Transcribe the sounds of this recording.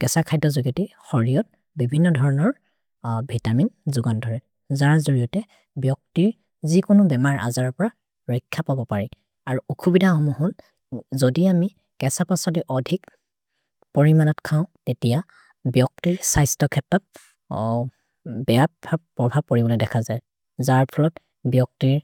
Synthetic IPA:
kɛsakʰajdɔzuɡitixɔɹijɔt̚ | bibʱinːɔdʱɔɹɔnɔɹ | bʱitaminzuɡandʱɔɹɛ | zaɹazoɹijɔtɛ | bjɔk̚tiɹ | zikʊnʊbɛmaɹʔa̰zaɹɔɹpɔɹa | ɹɔjkʰːapabɔpaɹi | aɹuukʰubidʱahɔmuhɔl | zodiami | kɛsapɔsɔdiʔɔdʱik̚ | pɔɹimanɔtkʰaʊ̃tetija | bjɔk̚tiɹsajstɔkʰɛtːɔp̚ | bɛjabapːɹɔbʱab̚koɹibɔlɛdɛkʰazaj | zaɹpʰɔlɔt | bjɔk̚tiɹ

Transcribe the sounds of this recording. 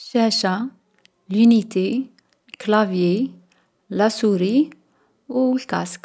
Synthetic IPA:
ʃæʃa | ljunit̪ʰi | klɑvji | lɑsuɾi | wlka̰sk

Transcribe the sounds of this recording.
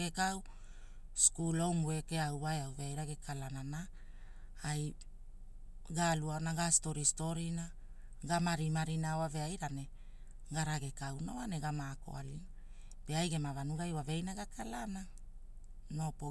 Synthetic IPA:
ekaw | skulomwekeawβaeawveajɾaɡe̞kʰalanana | aj | ɡaluaonaɡasto̞ɾisto̞ɾina | ɡamaɾimaɾinaoave̞ajɾane | ɡaɾaɡe̞kawnoane̞ɡamaːko̞̰a̰lina | b̥e̞ajɡe̞mavanuɡajwavejnaɡakʰalana | no̞po

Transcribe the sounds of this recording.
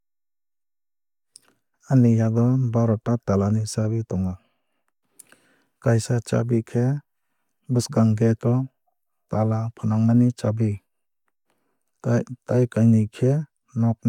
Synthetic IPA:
anijaɡɔbaɾɔtatalanit͡ʃabitɔŋa | kajsat͡ʃa̰bikʰe | bɯsɡaŋɡetɔ | talapʰanaŋmanit͡ʃabi | tajkajnikʰe | nɔp̚n

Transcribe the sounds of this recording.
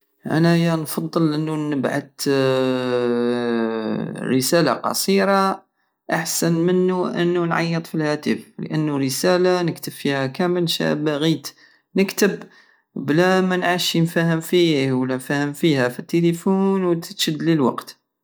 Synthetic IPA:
ʔæ̰nahəjːænfɑd̪ˤːəlʔənːunəbʕa̰d̪ | ɾəsæla̰qɑ̰sˤiɾa | ʔaħsænmənːuʔə̰nːunʕɑ̰jːɨt̪ˤfilhæt̪əflə̰ʔənːuɾəsælanəkt̪əbfihækæməlʃæ̰baɣiːt̪ | nəkt̪əb | blæmænʕaʃnfæhəmfihwəlːænfæhəmfihæfit̪ːelifunwt̪ə̥t̪ʃəd̪ːlilwɑ̰qt̪

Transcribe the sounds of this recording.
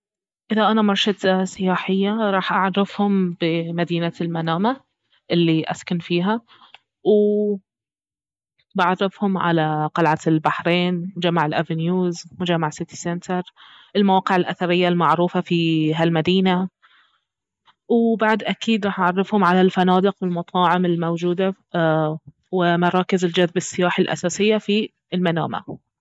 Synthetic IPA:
ʔɪðaʔanamɑɾˤʃat̪asɪjaːħɪjːaɾˤɑːħʔaʕɑrˤːɪfhʊmb̥ɪmad̪iːnalmanaːma | ʔɪlːiʔa̰skanfiːɦa | w | baʕɑrˤːɪfhʊmʕa̰laqɑlʕalbaħɾeːnmʊd͡ʒamːaʕɪlʔavɪnjuːzmʊd͡ʒamːaʕsɪt̪i̥sɛnt̪ʰɑɾˤ | ʔɪlmawɑːqɪʕɪlʔaθɑɾɪjːalmaʕɾuːfafiɦalmad̪iːna | wɪbaʕd̪ʔakiːd̪ɾˤɑːħʕɑrˤːɪfhʊmʕalalfanɑːd̪ɪqwɪlmɑt̪ˤʰɑːʕɪmɪlmowd͡ʒuːd̪a | wɪmɑɾˤɑːkɪzɪld͡ʒaðbɪsːɪjaːħɪlʔa̰saːsɪjːafi | ɪlmana̰ːma̰

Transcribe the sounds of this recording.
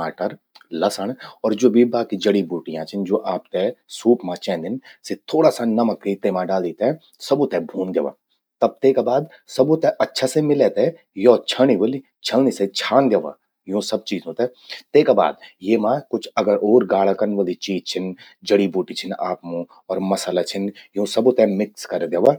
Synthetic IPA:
aːʈəɾ | lɐsəɳɔːɾd͡ʒoːbʱibaːkid͡ʒɐɽibuːʈijãt͡ʃʰɪnd͡ʒoːʔaːp̚t̪ɛsuːpmãt͡ʃɛ̃ːnd̪ɪnset̪ʰoːɽasanɐməkːəit̪eːmãɖaːld̪iːt̪eɛ̃ | sɐbot̪ɛbʱũːnd̪eːʋa̰ː | t̪ɐb̚t̪eːkabaːd̪ | sɐbõt̪ɛʔɐtːʃʰasemɪlet̪ɛ | jɔːt͡ʃʰəɽ̃ibəli | t͡ʃʰəlniset͡ʃʰaːnd̪eʋa̰ː | jõsɐb̚t͡ʃiːzõt̪ɛ | t̪eːkaba̰ːd̪jeːmãːkʊt͡ʃʰɐɡəɾʔoːɾɡaːɽakɐɾnʋəlit͡ʃiːzt͡ʃʰɪn | d͡ʒəɽibuːʈit͡ʃʰɪnaːpmũ | ɔːɾmɐsəlat͡ʃʰɪnjõːsɐbot̪ɛmɪkskɐɾd̪eːʋa

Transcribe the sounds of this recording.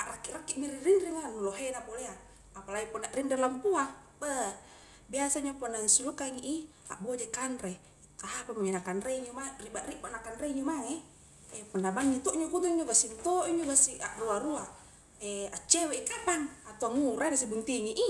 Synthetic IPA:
aʔrakːiʔrakːiʔmiɾirindiŋanuloɦenapoleaː | palaipɔnːaʔrindɛlampua | bə | biasaɲapɔnːaŋisulukaŋiʔi | a̰ʔbod͡ʒekanɾe | t̪aapamuɲonakanɾeɲomaribaʔriʔbaʔnakanreɲomaŋe | epɔnabaŋːit̪ɔʔɲokut̪̬uŋd͡ʒoɡasint̪oʔiɲd͡ʒoɡasiaʔruaɾua | eat͡ʃːeweikapaŋat̪uaŋuɾanasibuŋt̪iŋiʔi

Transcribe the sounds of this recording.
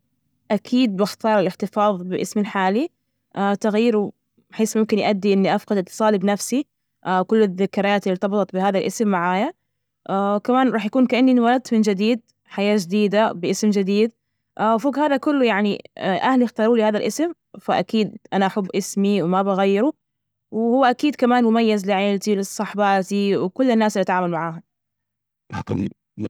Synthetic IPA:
ʔakʰiːd̪̚bɪxt̪ɑːɾˤɪlɪħt̪ɪfɑːðˤbɪlʔɪsmɪlħaːli | ʔat̪aɣajːɪɾu | bħeːsmʊmkɪnjʔad̪ːiʔɪnːiʔafqd̪ɪt̪ːɨ̥sˤɑːlibnafsi | ʔakʊlːɪðːakːɑɾˤɑjaːt̪ɪllt̪ɑbɨt̪ˤɑt̪̚bɪhaːðalʔɪsmːaʕaːja | ʔakamaːnɾˤɑːħjakuːnkaʔanːinwalad̪̚mɪnd͡ʒɪd̪iːd̪̚ | ħajaːd͡ʒɪd̪iːd̪abɪʔɪsmd͡ʒɪd̪iːd̪ | ʔfoːɡhaːðakʊlːʊjaʕnḭʔahlixt̪ɑːɾuːlihaːðalʔɪsɪm | faʔakiːd̪ʔanaʔaħʊbːʔɪsmiwɪmabaɣajːɪɾu | wɪhʊwːaʔakiːd̪kamaːnmʊmajːazlɪʕeːlt̪iwlɪsˤːɑħbaːt̪iwɪkʊlːɪnːaːslːiʔt̪ʕaːmalmaʕaːɦʊ | km

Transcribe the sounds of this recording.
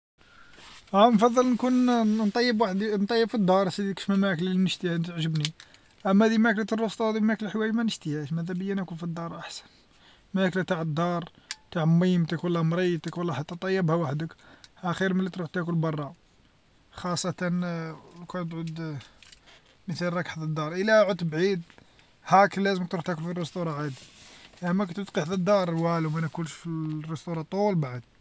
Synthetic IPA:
ʔænfɑd̪ˤːəlnkunnt̪ˤɑjːəbwaħd̪int̪ˤɑjːəbfid̪ˤːɑɾˤsid̪kə̥ʃmæmæklælinəʃt̪ihænt̪əʕʒəbni | ʔæmːæhæd̪imæklæt̪ərˤːost̪ˤɑhd̪imæklælħwæjmænəʃt̪ihæʃmæhæd̪æbəjːænækunfid̪ːɑɾˤʔaħsæ̥n | mææklæt̪aʕəd̪ˤːɑɾˤ | t̪aʕmːimt̪əkwəlːæmɾˤit̪əkwəlːæħat̪ːæt̪ˤɑjːəbhæwaħd̪əkhæxiɾmælːit̪ɾuħt̪ækʊlbɑrˤːɑ | xɑsˤːɑt̪ɑnkænt̪ʕud̪ | məθælɾˤɑkħd̪əd̪ːɑɾˤʔəlæʕʊt̪ːbʕid̪ | hæklæzəmək̚t̪ɾuħt̪ækʊlfirːəst̪uɾˤɑʕad̪iʔæmækt̪ət̪qiħd̪əd̪ːɑɾˤwælwmænækʊlʃfirːəst̪uɾˤɑt̪ˤulbaʕəd̪̥

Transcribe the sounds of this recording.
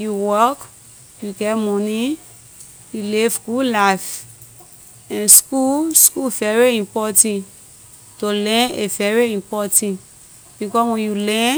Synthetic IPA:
juwɔk | juɡɛmɔ̃ni | julivɡulaf | ɛ̃nskuskuvɛɹiĩmpɔtɛ̃n | tolɛ̃nevɛɹiĩmpɔtĩn | b̥ikɔswɛ̃njulɛ̃n

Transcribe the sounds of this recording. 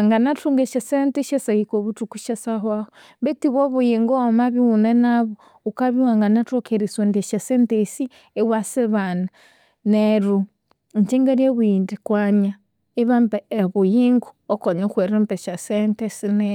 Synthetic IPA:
aŋɡanatuŋɡeʃasenteʃesahikoβutukuʃesahwaho | mbetiβoβujiŋɡoːmaβiunenaβo | ukaβiwaŋɡanatokʰeɾiswondeʃasentesi | ewaseβana | neɾu | ɲt͡ʃiŋɡeɾjeβwindikwaɲa | eβampeβujiŋɡuokoɲokweɾempeʃasentesine

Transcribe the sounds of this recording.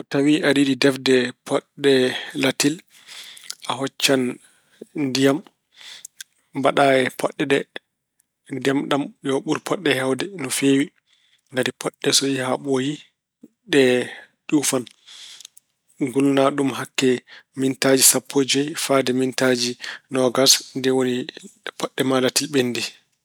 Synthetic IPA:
ɔtawiʔadiɗidɛfdɛpʰɔɗɛlatil | ʔaɦɔt͡ʃːan | ndijam | baɗaɛpʰɔɗːɛɗɛ | ndiamɗamjɔɓuɾpʰɔɗːɛhɛwdɛnɔfewi | ɡaɾipʰɔɗːɛsɔjihaɓoji | ɗɛ | ɗufan | ɡulnaɗumɦakːɛmintad͡ʒisapʰːod͡ʒɛjfadɛmintad͡ʒinɔɡasndɛwonipɔɗːɛmalatilɓenːdi

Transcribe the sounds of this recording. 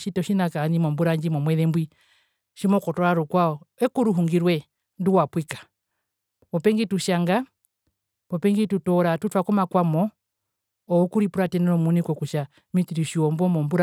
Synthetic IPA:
ʃitɔʃinakanimɔmbuɾaɲd͡ʒimɔmwɛðɛmbwi | ʃimɔkɔtɔɾaɾukwaɔɛkuɾuɦuŋɡiɾwɛ | nduwapwikḁ | pɔpɛŋɡituʃaŋɡa | pɔpɛŋɡitutɔɾatutwakɔmakwamɔ | ɔɔkuɾipuɾatɛnɛɾɔmunikɔkuʃa | mit͡ʃiɾiʃiɔmbɔmɔmbuɾ

